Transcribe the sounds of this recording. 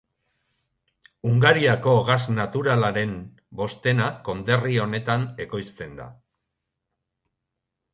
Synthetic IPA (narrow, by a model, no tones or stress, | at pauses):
uŋɡaɾiako̞ɣaznat̪uɾalaɾe̞m | bo̞st̪e̞nako̞nd̪e̞rio̞ne̞t̪ane̞ko̞jst̪e̞nd̪a̰